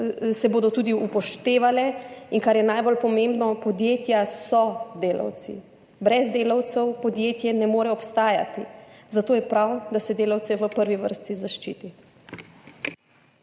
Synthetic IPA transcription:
sɛboːd̪ɔt̪uːd̪iupɔʃt̪eːʋalɛinkaɾjɛnajbolpɔmẽmbnɔpɔd̪jeːt̪jasɔd̪eːla̰wt̪sḭ | bɾɛzd̪eːlawt̪sɛwpɔd̪jeːt̪jɛnɛmoːɾɛɔpst̪aːja̰t̪izat̪oːjɛpɾawd̪asɛd̪eːlawt̪sɛʋəpəɾʋiʋə̰ɾst̪izaʃt͡ʃḭːt̪i

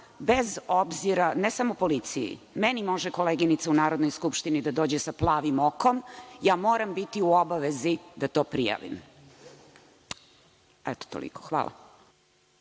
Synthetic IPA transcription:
bezobziɾanesamopo̞lit̪sijḭ | mɛnimo̞ʒɛko̞leɡinit̪saunaːɾod̪nojskupʃt̪inid̪ad̪o̞ːd͡ʑesaplˠaːʋimokomjaːmo̞ːɾambit̪iuobaʋezid̪at̪o̞ːpɾija̰ʋḭm | ɛt̪o̥t̪o̰lḭko̥xʋa̰ːlˠʔa̰

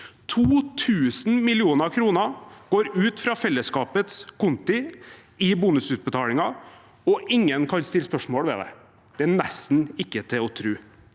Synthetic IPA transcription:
t̪ʰuːt̪ʰʉːsn̩mɪlɪuːnəɾkʰɾuːnəɡ̥oːɾʉːt̪fɾɑfɛlːəskɑːpət̪skʊnt̪ɪ | ɪbʊnʉsʉːt̪̚bət̪ʰɑːlɪŋɑ | ɔʔɪŋːənkʰɑnst̪ɪləspœʂmoːɽʋɛ̰d̪ɛ̰ | d̪̥ɛænɛst̪n̩ɪkːət̪ʰɪɔt̪ʰɾʉː

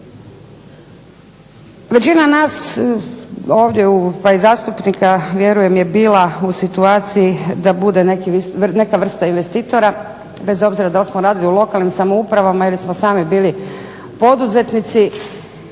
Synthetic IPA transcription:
ʋe̞t͡ɕinanaːs | o̞ːʋd̪jeupaizaːst̪upnikaʋje̞ɾuje̞mje̞biːlausit̪uaːt̪sijid̪abud̪e̞nekine̞kaʋr̩st̪ainʋe̞st̪iːt̪o̞ɾa | be̞zo̞bziɾad̪alsmoɾaːd̪iliulˠo̞kalnimsamoupɾaʋamajelismosaːmibiːli | po̞d̪uze̞t̪nit̪si

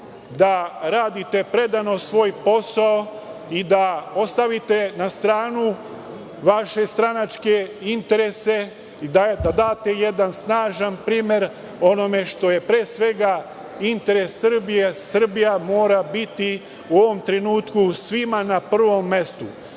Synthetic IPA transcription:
d̪aɾaːd̪it̪e̞pɾe̞d̪ano̞sʋo̞ːjpo̞sao | id̪ao̞st̪aʋit̪e̞nast̪ɾaːnu | ʋaʃe̞st̪ɾanat͡ʃke̞int̪e̞ɾe̞se̞ | id̪ad̪ad̪aːt̪e̞je̞d̪ansnaːʒanpɾiːmje̞ɾ | o̞no̞me̞ʃt̪o̞je̞pɾeːsʋe̞ɡa | int̪e̞ɾe̞sːr̩bijesr̩bijamo̞ːɾabit̪i | uo̞ʋo̞mt̪ɾe̞nuːt̪kusʋimanapr̩ʋo̞mːe̞st̪u

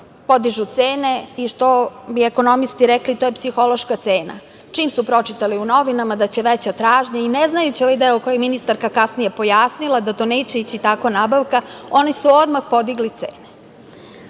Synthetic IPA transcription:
po̞d̪iʒut̪seːne̞iʃt̪o̞bieko̞no̞mist̪iɾeklit̪oːje̞psixo̞lo̞ʃkat̪seːna̰ | t͡ʂiːmsupɾo̞t͡ʃit̪aliuno̞ʋinamad̪at͡ɕe̞ʋet͡ɕat̪ɾaːʒɲaineznajut͡ɕioʋajd̪eoko̞jeminist̪aɾkakasnije̞po̞jasnilˠad̪at̪oneːt͡ɕe̞it͡ɕit̪akonaːbaʋkao̞nisuod̪maxpo̞d̪iɡlit̪sḛːne

